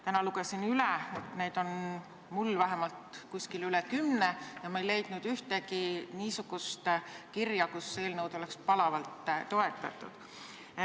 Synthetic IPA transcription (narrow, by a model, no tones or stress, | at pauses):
t̪ænɑluɡ̥esinylɛne̞jd̪̥o̞n | mulvæɦemɑlt̪kuskilylɛkymnejɑmɑejle̞jd̪̥nud̪̥yht̪ekiniːsuɡ̥ust̪kirjɑkusːeːlnɤwd̪o̞le̞kspɑlɑvɑlt̪t̪ːo̞e̞t̪ːˑɑ̰t̪ːˑṵd̪̥